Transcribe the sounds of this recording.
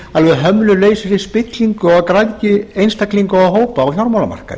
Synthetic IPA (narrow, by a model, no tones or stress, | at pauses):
alvɛðɦœmnʏleːjsɪɾɪspɪt̪liŋkʏɔɣkɾajcɪejnst̪akliŋkʏaɦoːwpaːwçjɔɾmawlama̰r̥ka̰ɾ